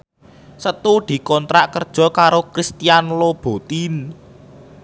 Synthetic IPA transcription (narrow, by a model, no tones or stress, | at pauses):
sət̪ud̪̥i̤kɔnt̪ɾaʔkərd̥ʒ̥ɔ̤kaɾokɾist̪ijanlob̥o̤t̪in